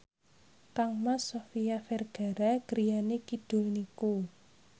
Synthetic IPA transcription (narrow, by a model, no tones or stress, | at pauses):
kaŋmasofijafɛrɡ̥a̤ɾaɡ̥əɾijanekid̥ʊ̤lniku